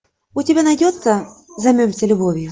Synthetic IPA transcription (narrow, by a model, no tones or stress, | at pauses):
ʊtʲɪbʲanɐjdʲot̪səzɐmʲɵmʲsʲəlʲʊbovʲjʊ